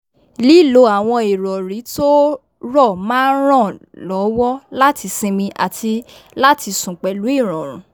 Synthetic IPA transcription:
li˦˨lo˨˦a˨w̃ɔ̃˧i˨ɾɔ˨ɾi˨˦to˦ | ɾɔ˦˨mãː˦n˦ɾ̃ɔ̃˦˨lɔ˨˦wɔ˦la˦ti˧sĩ˧mĩ˧ʔa̰˨tʰi˧la˦ti˧sũ˨k͡pɛ˨lu˨˦i˦˨ɾ̃ɔ̃˨ɾ̃ũ˨˦

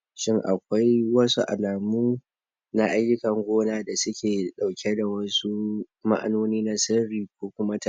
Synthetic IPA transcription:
ʃɪ˦ŋʔa˨kʷa˦jwɐ˦sṵ˦ʔa̰˨laː˨muː˦ | na˦ʔa˦jːʊ˦kɐ˨ŋɡʷoː˦naː˦da˨sʊ˦kʲʰeː˨ɗa˨wkʲe˦da˨wɐ˦su˦ | ma̰˦ʔa̰˦noː˦niː˦na˦sɐ˦ɾiː˨k̚ʷoː˦kʷʊ˦ma˦ta˨

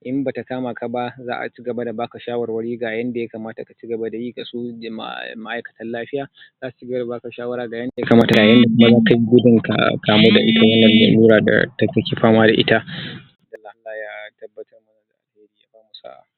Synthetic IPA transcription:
ʔɪ˦mbaː˨ta˨kaː˦ma˨kʰa˨ba˦za̰ː˦ʔa̰˨t͡ʃi˦ɡɐ˨ba˦da˨baː˦kɐ˨ʃaː˦wɐ˨rwɐ˦ɽiː˦ɡaː˨jɐ˦nda˨ja˦kaː˨maː˦ta˨ka˨t͡ʃiː˦ɡɐ˨ba˦da˨jiː˦ɡa˨sṵː˦˨ma˦ʔa˦jkɐ̥˨tɐ˦nlaː˦ɸɪ˦jaː˨ | zaː˦asu˨t͡ʃi˦ɡɐ˨ba˦da˨baː˦kɐ˨ʃaː˦wɐ˦ɾaː˦ɡaː˨jɐ˦nda˨ja˦kaː˨maː˦ta˨ɡaː˨jɐ˦nda˨kʷʊ˦ma˦zaː˦ka˨ji˦ɡʷʊ˦dɪ˨ŋka̰˨kaː˨moː˦da˨ʔɪ˦ta˦wɐ˦nːɐ˨nːa̰˨luː˦ɽaː˨da̰˨ta˦kɐ˦kʲi˨ɸaː˦maː˦da˨ʔɪ̰˦ta˦ | dɐ˨lːa˨ʔa˦lːaː˨jaː˦tɐ˦bːɐ˦tɐ˦rmʊ˨˦na˦da˨ʔa̰˨lheː˦ɾiː˦ja̰˨baː˦mu˨sa̰˦ʔa̰˨

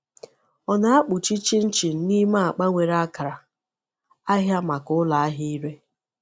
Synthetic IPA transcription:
ɔ˨na˨a˦k͡pʊ˨t͡ʃi˦t͡ʃi˦n̩˦t͡ʃi˨n̩˦ni˦ma˦a˨k͡pa˦ŋʷe˨ɾa˦a˦ka˨ɾa˨ | a˦ɦja˦ma˨kʊ˦la˨a˦ɦi˦i˦ɾe˦

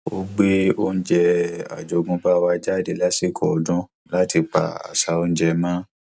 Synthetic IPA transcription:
o˧ɡ͡be˦o˦n̩˦d͡ʒɛ˧a̰˨d͡ʒo˨˧˨ɡũ˧ba˦wa˧d͡ʒa˦˨de˧˨la˦si˦˨kʰɔ˨dũ˧ | la˦ti˧k͡pa̰˨a̰˨sa˧o˧n̩˦d͡ʒɛ˧mãː˦

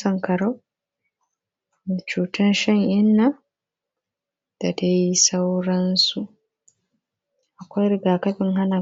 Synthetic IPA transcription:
ɐ˨ŋkɐ˨ɽo˦ | mi˨t͡ʃuː˨tʊ˦nʃɐ˦ŋʔɪ˦nːa˦ | d̥a˨da˦ji˦sa˦wɾɐ˦nsu˨ | ʔa˨kʷa˦jɾɪ˦˨ɡaː˨kɐ˦ɸɪ˦ŋɦa˦na˨

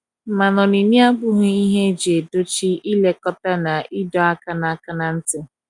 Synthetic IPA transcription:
m̩˨ma˨nɔ˨ni˨ni˦a˦ɡ͡bʊ˦ɦʊ˦i˦ɦe˦d͡ʒe˨do˦t͡ʃi˦i˦le˦kɔ˦ta˦na˨i˦dɔ˦a˦ka˦na˨a˨ka˦na˨n̩˦tɪ˦

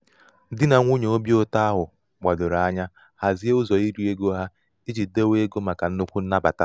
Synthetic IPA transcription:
dɪ˦na˨ŋʷu˦ɲe˨o˦bi˦o˦ta˦a˦ɦʊ˨ | ɡ͡ba˨dʊ˨ɾa˨a˦ɲa˦ | ha˨zi˦e˦ʊ˦zɔ˨i˦ɾu˦e˦ɡo˦ɦa˦ | i˦d͡ʒi˨de˦we˦e˦ɡo˦ma˨ka˨n̩˦nʊ˦kʷu˦n̩˦na˦ba̰˨ta˦

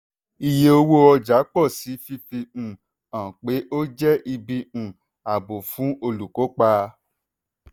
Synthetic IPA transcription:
i˧je˧o˧wo˦ɔ˧d͡ʒa˨˦k͡pɔ˦˨si˨˦fi˧fi˧ũ˨ | ã˨k͡pe˨˦ʔo˦d͡ʒɛ˦ʔi˧bi˧ũ˨ | a˨bo˨fũ˨˦o˧lu˨ko˨˦k͡pa˧

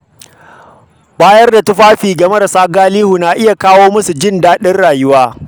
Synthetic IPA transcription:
baː˦jɐ˦rda˨tʊ˦ɸaː˦ɸiː˨ɡɐ˨mɐ˦ɾɐ˨saː˦ɡaː˦liː˦hu˨naː˨ʔɪ˦ja˨kaː˦woː˦mʊ˦su˨d͡ʒɪ˦ndaː˦ɗɪ˦rɽaː˨jʊ˦waː˦

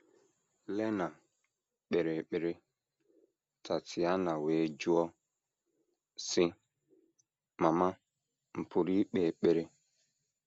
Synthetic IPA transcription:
lɛ˦na˨ | ɓe˨ɾe˨k͡pe˨ɾe˦ | ta˨tɪ˨a˦na˨we˨˦d͡ʒu˦ɔ˦ | sɪ˦ | ma˨ma˦ | m̩˨pʰʊ˨ɾi˦k͡pe˨k͡pe˨ɾe˦

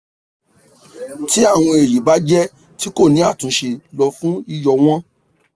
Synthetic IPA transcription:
ti˦a˦˨w̃ɔ̃˧e˨ji˨ba˨˦d͡ʒɛ˦ | ti˦ko˦˨nĩ˨˦a˦˨tũ˧˦ʃe˧lɔ˧fũ˦i˧jɔ˧w̃ɔ̃˦

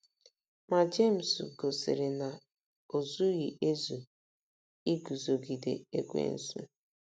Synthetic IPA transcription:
ma˨d͡ʒe˦˨m̩˨sɡo˨sḛ˨ɾe˨na˨ | o˨zu˦ɣi˨ʔe˦zu˨ | i˦ɡu˨zo˨ɡi˨dḛ˨ḛ˦kʷḛ˦n̩˦sṵ˦

